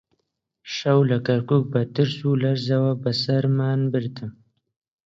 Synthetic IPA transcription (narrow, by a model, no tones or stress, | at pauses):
ʃawlakaɾkuk̚bat̪əɾsulaɾzawabasaɾmaːnbəɾt̪ʰəm